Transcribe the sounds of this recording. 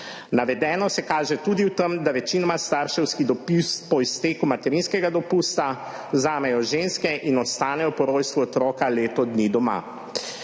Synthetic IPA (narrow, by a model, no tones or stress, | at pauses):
naʋɛd̪ɛːnɔsɛkaːʒɛt̪uːd̪iwt̪əmd̪aʋɛt͡ʃinɔmast̪aːɾʃɛwskid̪ɔpist̪pɔist̪eːkumat̪ɛɾinskɛɡad̪ɔpust̪a | zaːmɛjɔʒeːnskɛʔinɔst̪aːnɛjɔpɔɾoːjst̪ʋuɔt̪ɾɔːkaleːt̪ɔd̪nid̪ɔma̰